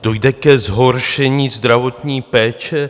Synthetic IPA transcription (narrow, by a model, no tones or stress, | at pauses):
do̞jdɛkɛzɦo̞ɾʃɛɲiːzd̪ɾavo̞t̪ɲiːpɛːt͡ʃɛ